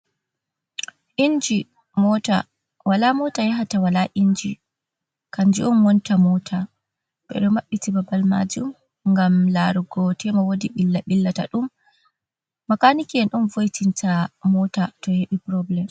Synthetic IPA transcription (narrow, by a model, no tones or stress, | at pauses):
ʔind͡ʒi | mɔta̰ | walamɔtajaɦatawalaʔind͡ʒi | kand͡ʒiʔɔnwɔntamɔtʰa | ɓɛ̰ɗɔmaɓːitibabalma̰d͡ʒum | ŋɡamlaɾuɡɔtʰɛmawodiɓilːaɓilːata̰ɗum | akanikiɛnɗunvojtʰintamɔtatɔheɓipɾɔblɛm